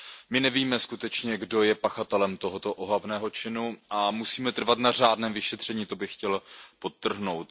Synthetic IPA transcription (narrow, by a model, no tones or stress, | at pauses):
mɪnɛviːmɛskut̪ɛt͡ʃɲɛɡdo̞jɛpaxat̪ɛlɛmt̪oɦot̪o̞ʔoɦavnɛːɦo̞t͡ʃɪnuʔamusiːmɛt̪r̩vat̪nar̝aːdnɛːmvɪʃɛt̪r̝̥ɛɲiːt̪o̞bɪxːcɛlpot̪ːr̩ɦno̞wt̪̚